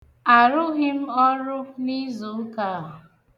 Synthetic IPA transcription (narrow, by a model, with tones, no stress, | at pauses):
a˨ɾʊ˦ɣɪ˦m̩˦ɔ˦ɾʊ˦ni˦zo˨˦ka˦˨